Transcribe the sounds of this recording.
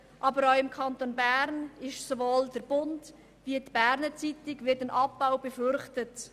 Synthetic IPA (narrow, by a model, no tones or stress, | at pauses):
ʔɑbəɾɔʊɪmkʰɑntonbæɾnɪʃsovoːldəɾb̥ʊnd | viətb̥æɾnət͡sitɪɡvɪtənʔɑpːaʊbɛfʏɾχtət